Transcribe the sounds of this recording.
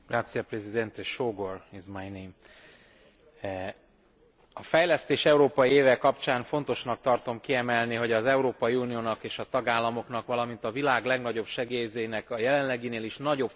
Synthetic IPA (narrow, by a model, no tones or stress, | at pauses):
ɡ̥raːt̪sijɒprɛzid̪ɛnt̪eʃoːɡorizmajni | ɒfɛjlɛst̪eːʃɛuɾoːpɒjieːvɛkkːɒpt͡ʃaːnfo̞nt̪o̞ʃnɒk̚t̪ɒrt̪o̞mkiɛmɛlniɦo̞ɟɒzɛuɾoːpɒjiuːnijoːnɒkeːʃɒt̪ɒɡaːlːɒmo̞kn̪ɒkʋɒlɒmint̪ɒvilaːɡlɛɡnɒɟo̞bʃɛɡeːjzeːnɛkɒjɛlɛnlɛɡineːliʃnɒɟo̞b